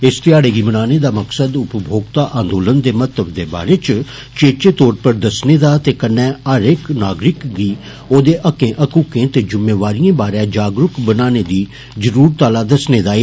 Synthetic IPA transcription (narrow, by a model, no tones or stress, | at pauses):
ɪst̪ɪjaːɽeːɡiːmənaːneːd̪aːməksəd̪ʊpbʱoːɡt̪aːʔãːnd̪oːlənd̪eːmət̪əbd̪eːba̰ːɾeːt͡ʃ | t͡ʃeːt͡ʃeːt̪ɔːɾpəɾd̪əsneːd̪aːt̪eːkənːɛ̃ːəɾɪknaːɡɾɪkɡiː | oːd̪eːʔəkẽːʔəkuːkẽːt̪eːd͡ʒʊmːeːʋaːɾijẽːbaːɾɛ̃ːd͡ʒaːɡɾʊkbənaːneːd̪iː | zəɾuːɾt̪aːlaːd̪əsneːd̪aːe